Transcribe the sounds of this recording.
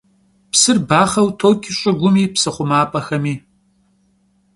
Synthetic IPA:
psɨrbaːχɐwtʰoːkʲʼʰɪɕʼɪɡʷʊmiːpsɨχʷʊmaːpʼɐxɐmiː

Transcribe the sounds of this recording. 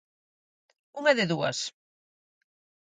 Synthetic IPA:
uŋɛðɪðuɐ̰s

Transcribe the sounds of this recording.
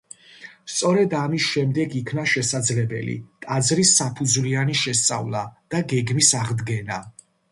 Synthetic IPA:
st̪sʼɔɾɛd̪amisʃɛmd̪ɛɡikʰnaʃɛsad̪zlɛbɛ̰lḭt̪ʼad̪zɾisapʰud̪zwlianiʃɛst̪sʼa̰vlˠad̪̥aɡɛɡmisaʁd̪ɡɛna

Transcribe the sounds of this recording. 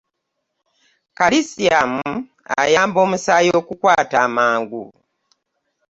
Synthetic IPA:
kalisiamuṵ | a̰jaːmbo̞ːmusaːjo̞ːkukwaːtaːmaːŋɡṵ

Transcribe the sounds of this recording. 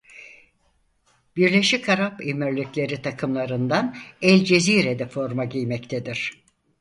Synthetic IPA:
b̥iɾlʲe̞ʃikʰaɾapimiɾlʲiclʲe̞ɾit̪ʰakʰɯmlˠaɾɯnd̪anɛlʲd͡ʒe̞ziːɾed̪ɛfo̞ɾmaɟijmɛct̪ʰed̪iɾ̥

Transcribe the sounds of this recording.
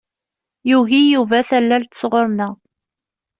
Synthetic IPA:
juʝijuvæθælːælt̪ə̥sʁoɾnə

